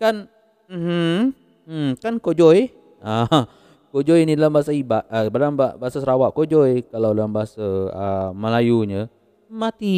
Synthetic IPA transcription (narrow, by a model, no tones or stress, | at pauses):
kan | m̩h̩ | kankod͡ʒɔj | a | kod͡ʒɔjinidalambaasaibaʔbadaŋbaʔbaɦasasəɾawaʔkod͡ʒɔjkalawdalambaɦasəəməlajuɲə | mat̪i